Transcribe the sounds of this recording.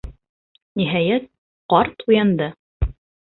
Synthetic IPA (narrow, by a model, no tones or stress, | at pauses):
niɦæjæt̪̚ | qɑɾt̪ujɑnd̪ɤ